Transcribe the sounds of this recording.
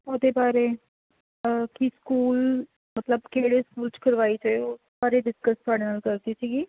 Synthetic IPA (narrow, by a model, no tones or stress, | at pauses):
oːd̪eːbaːɾeː | kiskuːl | mət̪ləbkeːɽeːskuːlt͡ʃkəɾʋaːiːt͡ʃaeoː | baːɾeːɖɪskəst̪ʰʊaːɽeːnəlkəɾd̪iːsiːɡiː